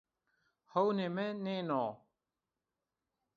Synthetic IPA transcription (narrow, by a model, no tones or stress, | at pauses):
hownemenenɔ